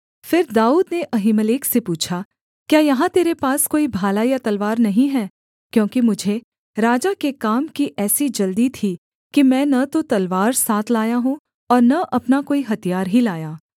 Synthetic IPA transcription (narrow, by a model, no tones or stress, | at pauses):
fɪɾd̪aːuːd̪neʔɐɦiməleːksepuːt͡ʃʰa | kjaːjɐɦãt̪eːɾepaːskoːibʱaːlajat̪ɐlʋaːɾnɐɦĩɦɛː | kjõːkimʊd͡ʒʱe | ɾaːd͡ʒakekaːmkiʔɛːsid͡ʒɐld̪it̪ʰi | kimɛ̃ːnɐt̪ot̪ɐlʋaːɾsaːt̪ʰlaːjaɦũ | ɔːɾnɐʔɐpnakoːiɦɐt̪ijaːɾɦilaːjaː